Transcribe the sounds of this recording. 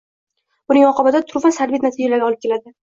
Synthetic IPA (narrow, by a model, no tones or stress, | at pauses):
b̥ʊnɪŋɒqʰɒbad̪at̪ʰʊɾvasaɾvit̪nat̪ʰid͡ʒalaɾɡʲɒlɪp̚kʲelad̪ɪ